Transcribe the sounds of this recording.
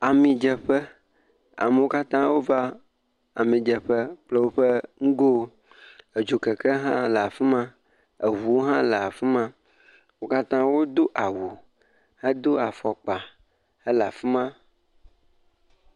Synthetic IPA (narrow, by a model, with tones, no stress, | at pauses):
a˨mĩ˨d͡ʒɛ˨ɸə˦ | a̰˨mə˨wo˦ka˦t̪ã˦wo˦va˦ | a̰˨mĩ˨d͡ʒɛ˨ɸə˦k͡ple˦wo˦ɸə˦ŋ̩˦ɡo˦ | e˨d͡ʒo˨kɛ˨kɛ˦ɦã˦la˨fi˦mã˦ | e˨vu˨wo˦ɦã˦lə˨a˨fi˦mã˦ | wo˦ka˦t̪ã˦wo˦d̪o˦ʔa˨wu˨ | hə˦d̪o˦a˨fɔ˨k͡pa˨ | e˦la˨fi˦mã˦